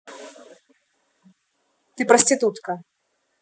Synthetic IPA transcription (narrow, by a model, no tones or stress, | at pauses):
t̪ɨpɾɐsʲt̪ʲit̪ut̪kɐ